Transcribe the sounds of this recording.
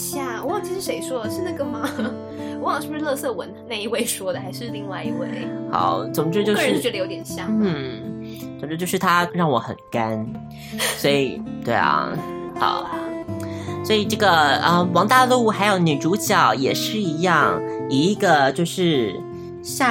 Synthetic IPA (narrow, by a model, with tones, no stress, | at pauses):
ɕja˥˩wɔ˧˥wɑ˨˩ŋt͡ɕʰi˧˥ʂɻ̩˥˧ʂe˧˥ɪʂwɔ˥ʂə˥˧d͡za˥˧kɤ˥˩ŋmɑ˨˩˥ŋ | wɔ˧˥wɑ˨ŋʂɻ̩˥˩˧ʂɻ̩˥lɤ˥˧sɤ˥˩wə˧˥nna˥˩ɪi˧˥we˥˧ɪʂwɔ˥d̪ə˨˩xa˧˥ɪʂɻ̩˥˧li˥˧ŋwa˥˩ɪi˧˥we˥˩ɪxɑ̰˨˩˦ʊt͡so˨˩mʈ͡ʂɻ̩˥˧˥t͡ɕo˥˧˥ʂɻ̩˥t͡ɕ̪ə˧jo˧˥jɛ˨˩nɕjɑ˥˩˥ | t͡so˨˩mʈ͡ʂɻ̩˥t͡ɕjo˥˧ʊʂɻ̩˥˩t̪ʰa˥ɻɑ˥˩ŋwɔ˧˥˦xə̰˨˩nka˥n | swɔ˧˥i˨˩t̪we˥˩ɪɐ̰˩xɑ̰˨˩˦ʊ | swɔ˧˥i˨˩ʈ͡ʂɤ˥˩ɡə˩ə˧wɑ˧˥ŋt̪a˥˧lu˥˩xa˧˥ɪjo˧˥ʊny˨˩ʈ͡ʂu˧˥t͡ɕjɑ˨˩ʊjɛ˨˩ʂɻ̩˥˩i˧˥jɑ˥˩ŋi˧˥˩ɡə˧t͡ɕjo˥˧ʊʂɻ̩˥˧ | ɕja˥˩